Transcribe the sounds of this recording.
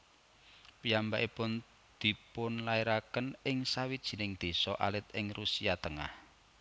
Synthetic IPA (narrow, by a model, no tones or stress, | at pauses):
piambaʔipʊn | d̪̥i̤pʊnlaiɾakənɪŋsawid̥ʒ̥i̤nɪŋd̪̥e̤sɔʔa̰lɪt̪̚ɪŋrusiat̪əŋa̰h